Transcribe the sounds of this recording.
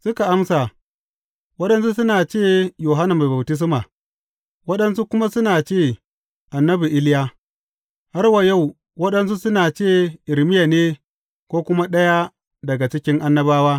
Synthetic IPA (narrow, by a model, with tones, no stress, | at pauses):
sʊ˦ka˨ʔa˦msa˨ | wɐ˦ɗɐ˦ns̬u˦sʊ˦naː˨t͡ʃeː˦˨joː˨ɦa˦na˨ma˨bɐ˨btɪ˦s̬maː˨ | wɐ˦ɗɐ˦nsu˦kʷʊ˦ma˦sʊ˦naː˨t͡ʃeː˦˨ | ʔa˨nːɐ˦bi˨ʔɪ˦lɪ˦jaː˦ | ha˦rwa˨ja˦˨w | wɐ˦ɗɐ˦ns̬u˦sʊ˦naː˨t͡ʃeː˦˨ʔɪ˨lmɪ˦ja˨neː˦ | kʷoː˦kʷʊ˦ma˦ɗɐ˦ja˦ | dɐ˨ɡa˨t͡ʃɪ˦kʲɪ˦ŋʔa˦nːɐ˦baː˦waː˦